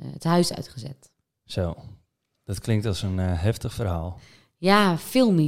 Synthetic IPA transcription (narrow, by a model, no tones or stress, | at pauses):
əthœɥsœ̰ɥtχəzɛ̰t | soː | d̥ɔtklɪŋktɔsənɦɛftəχfərɦaːlˠ | jafɪlˠmi